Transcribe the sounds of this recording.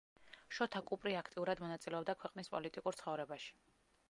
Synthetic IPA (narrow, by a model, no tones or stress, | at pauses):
ʃɔt̪ʰakʼupʼɾiakʰt̪ʼiuɾad̪mɔnat̪sʼilɛɔbd̪akʰwɛqʼnispʼɔlit̪ʼikʼuɾt̪sχɔvɾɛbaʃi̥